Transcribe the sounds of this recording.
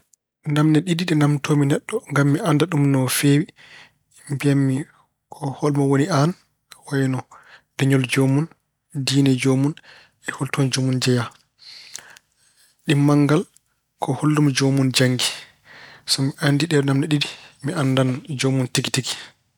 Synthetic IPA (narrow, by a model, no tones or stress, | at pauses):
namnɛɗidiɗɛnamtʰominɛɗːɔŋɡamːiʔandaɗumnɔfeːwi | mbiamːi | kʰɔhɔlmawonian | wajnɔdɛɲɔld͡ʒomun | diːnɛd͡ʒomun | ɛholtʰɔnd͡ʒomund͡ʒɛja | ɗimːaŋɡal | kʰɔholːumd͡ʒomund͡ʒaŋɡi | sɔmiʔandiɗɛnamnɛɗidimiandand͡ʒomuntiki̥tiɡi̥